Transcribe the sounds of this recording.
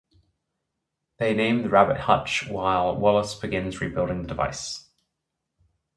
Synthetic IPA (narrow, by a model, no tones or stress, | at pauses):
ðeɪnẽɪ̃mðəɹabɪt̚hʌt͡ʃwaɪlˠwɔlˠəsb̥ɪɡɪ̃nzɹibɪlˠɾɪ̃ŋðədɪva̰ɪs